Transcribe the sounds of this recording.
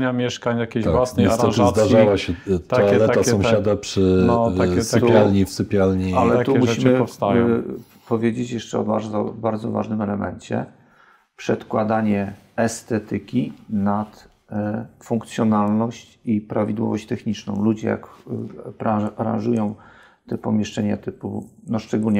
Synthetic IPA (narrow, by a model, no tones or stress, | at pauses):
ɲamʲjɛʂkaɲjakʲeawasnɾɔazd̪aʐawaɕɛt̪aɔaɛlɛasɔ̃w̃ʃad̪apʂɘaɛt̪pʲjalɲifsɨpʲjalɲialɛat̪uɛmuɕimɘɔfst̪aj | pɔvʲjed͡ʑet͡ɕjɛʂt͡ʂɛɔ̰baɾɔbaɾd̪zɔva̰ʐnɘmɛlɛmɛ̰ɲt͡ɕɛ̰ | pʂɛt̪kwad̪aɲɛɛst̪ɛt̪ɘkʲinat̪ | fuŋk̚t̪sʲjɔnalnɔɕt͡ɕipɾavʲid̪wɔ̰vɔɕt͡ɕt̪ɛxɲit͡ʂnɔ̰̃w̃lud͡ʑɛja̰kpɾaaɾã̰nʐujɔ̃w̃ | t̪ɛpɔmʲjɛʂt͡ʂɛɲa̰t̪ɘpṵnɔʂt͡ʂɛɡulɲɛ